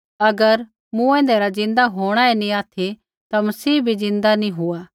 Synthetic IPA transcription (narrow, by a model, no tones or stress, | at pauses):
ɐɡəɾ | mũɛ̃ːnd̪eɾazɪ̃nd̪aɦoːɽ̃aenĩaːt̪ʰe | t̪amɐsiːbʱizɪ̃nd̪anĩɦʊaː